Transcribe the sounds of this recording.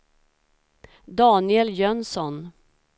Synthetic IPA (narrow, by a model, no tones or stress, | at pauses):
d̪ɑːnɪɛljœnsɔn